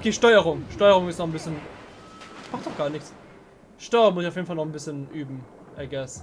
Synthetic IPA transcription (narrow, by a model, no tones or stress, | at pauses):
ʔokʰeːʃtɔʏəʁʊŋʃtɔʏəʁʊŋɪstnɔχn̩bɪsçən | b̥ʁaχtd̥ɔχɡ̥aːɐnɪçs | ʃtɔʏəʁʊŋmʊsɪçaʊfjeːnfalnɔχnbɪsçənʔyːbm̩ | ʔɛɐɡɛs